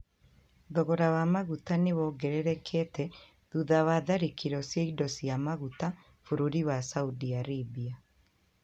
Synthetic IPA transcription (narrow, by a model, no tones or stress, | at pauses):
ðɔɣɔɾawamaɣutanewɔɡɛɾɛɾɛkʰɛtɛ | ðuðawaðaɾekiɾɔsjeidɔsiamaɣuta | fuɾuɾiwasaudiaɾibia